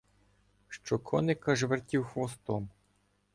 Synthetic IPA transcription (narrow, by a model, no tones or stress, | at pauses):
ʃt͡ʃɔkʰɔnɪkɐʒʋertʲiwxʋɔst̪ɔm